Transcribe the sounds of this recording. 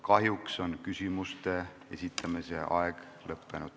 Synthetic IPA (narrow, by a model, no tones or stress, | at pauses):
kɑɦjukso̞nkysʲimust̪e̞ | e̞sʲit̪ʰːˑɑmisḛʔɑeɡ̥ | lɤpːenud̪̥